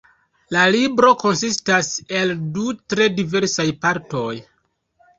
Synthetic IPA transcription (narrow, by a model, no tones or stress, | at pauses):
lalibɾo̞ko̞nsistase̞ldutɾe̞dive̞ɾsajpaɾto̞j